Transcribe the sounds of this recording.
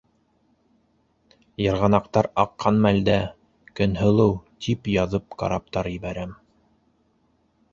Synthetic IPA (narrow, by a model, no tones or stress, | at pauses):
jɑ̆ɾʁɑnɑqt̪ɑɾɑqːɑnmæld̪æ | kɵ̆nɦɤ̆lˠɤwt̪ʰipjɑðɤp̚kɑ̰ɾɑp̚t̪ɑɾjɘ̆βæɾæm